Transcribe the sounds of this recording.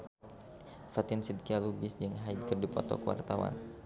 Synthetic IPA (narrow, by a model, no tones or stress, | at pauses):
fat̪ɪnsid̪̚kialubɪsd͡ʒɨŋɦajd̪̚kərdipɔt̪ɔ̰kəwa̰rt̪awa̰n